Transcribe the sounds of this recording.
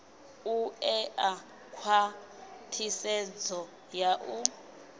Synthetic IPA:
uɛʔa | kʰwatʰisɛd͡zɔ | jaʔu

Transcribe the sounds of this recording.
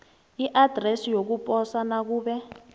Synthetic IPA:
iʔad̥ʱrɛsijok̬upʼɔsanak̬uːɓɛ

